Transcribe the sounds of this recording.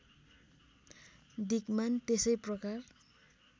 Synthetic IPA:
d̪ikmant̪esʌjprʌkar

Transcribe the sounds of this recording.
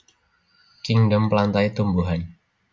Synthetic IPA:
kɪŋdəmplant̪ait̪umbuɦan

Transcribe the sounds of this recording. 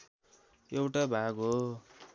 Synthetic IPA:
ewʈabʱaɡɦo

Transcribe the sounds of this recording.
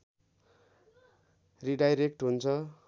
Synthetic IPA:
riɖajɾek̚ʈɦunt͡sʰʌ

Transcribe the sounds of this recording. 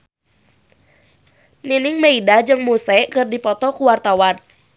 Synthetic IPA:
ninɪŋmeidad͡ʒɨŋmusɛkɨrdipɔt̪ɔkuwart̪awan

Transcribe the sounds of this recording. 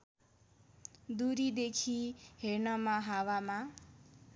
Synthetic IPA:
d̪uɾid̪ekʰiheɾnʌmaɦawama

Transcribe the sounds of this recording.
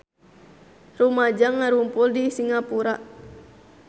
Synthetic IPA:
rumad͡ʒaŋːaɾumpʊldisiŋapuɾaʔ

